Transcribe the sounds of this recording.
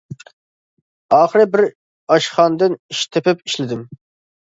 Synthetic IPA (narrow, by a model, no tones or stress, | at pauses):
ɑːχəɾɨbɪɾ | ɑʃχɑnd̪ɨniʃt̪ʰepɪpiʃlɪd̪ɪm